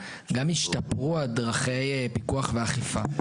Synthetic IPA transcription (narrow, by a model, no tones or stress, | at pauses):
ɡamiʃtapʁualdʁaχe̞jpikuaχveaχifa